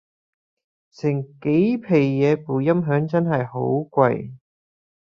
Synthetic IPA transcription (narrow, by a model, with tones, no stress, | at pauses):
sɪ˨˩ŋke˨˥jpʰe˨˩jjɛː˨˧puː˨˩jɐ˥mɦœː˨˥ŋt͡sɐ˥nɦɐ˨jho˨˥wkʷɐ˧j